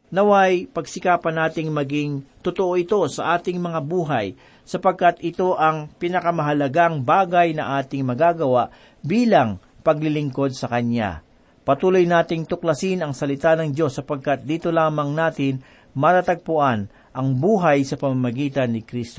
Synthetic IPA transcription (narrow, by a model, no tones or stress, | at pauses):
nɐwajpɐɡsɪkaːpɐnaːt̪ɪŋmɐɡɪŋt̪ʊt̪oʔo̞ʔɪt̪o̞sɐ̰ʔaːt̪ɪŋmɐŋabuːɦɐj | sɐpɐɡ̚kat̪ɪt̪o̞ʔɐŋpɪnɐkɐmɐɦɐlɐɡaŋbaːɡɐjnɐ̰ŋʔaːt̪ɪŋmɐɡaːɡɐwaʔ | biːlɐŋ | pɐɡlɪlɪŋko̞d̪̚sɐkɐna̰ | pɐt̪uːlo̞jnaːt̪ɪŋt̪ʊklɐsinɐŋsɐlɪt̪anɐŋd͡ʒo̞sːɐpɐɡ̚kat̪̚d̪iːt̪o̞laːmɐŋnaːt̪ɪn | mɐt̪at̪ɐɡ̚pʊʔan | ʔɐŋbuːɦɐjsɐpɐmamɐɡiːt̪ɐnːɪkɾist̪o